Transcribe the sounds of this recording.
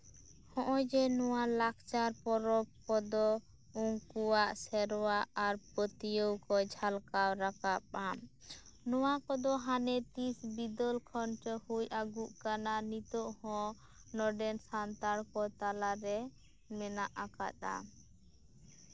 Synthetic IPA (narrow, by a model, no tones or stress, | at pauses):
hɔ̃ʔɔ̃d͡ʒɛnɔwalak̚ʰt͡ʃaɾpɔɾɔp̚kɔd̪ɔ | uŋkuwaʔsɛɾwaaɾpət̪ijəwkɔd͡ʒʱalkawɾakap̚amnɔwakɔd̪ɔɦanɛt̪isbid̪ɔlkʰɔnt͡ʃɔhujʔaɡuʔkananit̪ɔʔhɔ̃ | nɔɖɛnsant̪aɽkɔt̪alaɾɛ | mɛnaʔaka̰t̪̚a̰